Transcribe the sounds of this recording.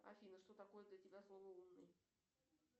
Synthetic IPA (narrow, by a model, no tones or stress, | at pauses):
ɐ̰fʲinəʂt̪o̞t̪ɐko̞jəd̪lʲətʲɪbʲaslˠovəunːɨj